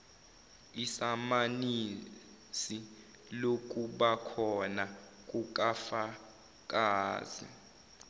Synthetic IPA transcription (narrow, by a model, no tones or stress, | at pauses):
isamani | si | lok̬ʼuɓakʰɔna | k̬ʼuk̬ʼafa | k̬ʼaːzḭ